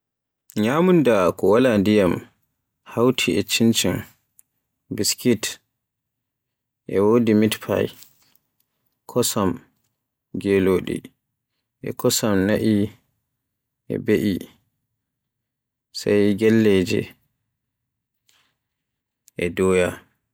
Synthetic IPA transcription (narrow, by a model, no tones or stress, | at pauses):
ɲaːmundakɔwalandijam | hawtʰiɛt͡ʃint͡ʃin | biskit | ʔɛwodimitpʰa̰j | kʰɔsam | ɡeloːɗḭ | ʔɛ̰kʰɔsamnaʔi | ʔɛ̰beʔi | sa̰jɡɛlːɛd͡ʒɛ̰ | ʔɛdɔːja